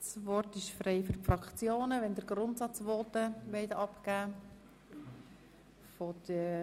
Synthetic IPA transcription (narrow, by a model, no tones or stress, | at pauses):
svɔrtɪʃfɾeɪfyɾfɾɑkt͡sjoːnəʋɛndəɾɡɾʊntsɑt͡sʋoːtəʋɛɪtɑpkæː | fɔd̥ə